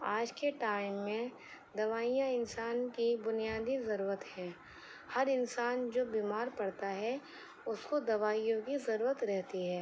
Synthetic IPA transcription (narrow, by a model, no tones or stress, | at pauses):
aːd͡ʒkeʈaːɪmːẽ | d̪ɐʋaːijãɪnsaːnkibʊnijaːd̪izɐɾuːɾət̪hɛ̃ː | hɐɾɪnsaːnd͡ʒoːbiːmaːɾpɐɽt̪aɦɛ | ʊskod̪ɐʋaːijõkizɐɾuːɾət̪ɾɛɦt̪iɦɛː